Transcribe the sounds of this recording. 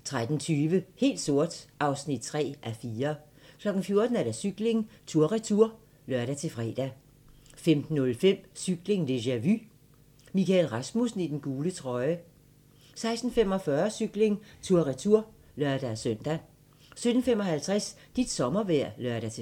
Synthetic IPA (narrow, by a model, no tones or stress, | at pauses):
t͡sʰʁad̥n̩t͡sʰyːʋəhe̝̰ːld̥so̝ɐ̰d̥ʔɑ̈ʊsnid̥̚t͡sʰʁɛ̰ːʔæfiːɐ | kʰlɒ̽ɡ̥n̩fjo̝ɐd̥n̩æɐɾ̥æsyɡ̥le̝ŋt͡sʰuɐʁit͡sʰuɐ̰ | lɶɐɾ̥æt͡sʰe̝fʁɛ̰ːd̥æ | femd̥n̩ːɔ̽lfem̰syɡ̥le̝ŋd̥e̝ɕæʋy | mikælʁɑsmusn̩id̥enɡ̥uːlət͡sʰʁɒ̽ɪə | sɑ̈ɪsd̥n̩fem̰ɒ̽fɶːɐsyɡ̥le̝ŋt͡sʰuɐʁit͡sʰuɐ̰ | lɶɐ̰d̥æsœn̰d̥æ | sød̥n̩femɒ̽hælt͡sʰʁas | d̥id̥sɒ̽mɐʋæɐ̰lɶɐ̰ɾæt͡sʰe